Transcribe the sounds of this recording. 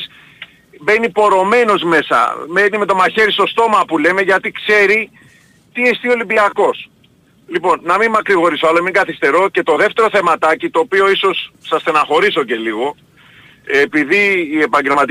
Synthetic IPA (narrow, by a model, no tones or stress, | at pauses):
s | be̞nipo̞ɾo̞me̞no̞zme̞sɐ̰menime̞t̪o̞maçe̞ɾist̪o̞st̪o̞mɐpule̞me̞ʝɐt̪ikse̞ɾi | t̪iest̪io̞libiɐko̞s | lipo̞nːɐmimmɐkɾiɣo̞ɾisoalomiŋɡɐθist̪e̞ɾo̞ce̞t̪o̞ðe̞ft̪e̞ɾoθe̞mɐt̪ɐcit̪o̞ːpio̞iso̞sːɐsθenɐxo̞ɾiso̞ce̞liɣo̞ | epiðiːe̞pɐɲɟe̞lmɐt̪i